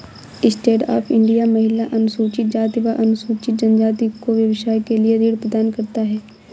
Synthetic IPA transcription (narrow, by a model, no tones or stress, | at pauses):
ɪsʈeːʈa̰ːpʰɪ̃ɳɖijamɐɦɪlaʔɐnʊsuːt͡ʃɪt̪̚d͡ʒaːt̪iʋaʔɐnʊsuːt͡ʃɪt̪̚d͡ʒɐnd͡ʒaːt̪ikoʋjɐʋɪʃaːjkelied̪iːɽpɾəd̪aːnkɐɾt̪aɦɛː